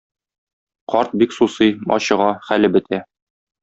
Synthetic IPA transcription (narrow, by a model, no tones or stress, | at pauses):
qɒɾt̪̚biksusɤjɒ̰ɕɤ̆ʁɑχælɘbɘ̆t̪ʰæ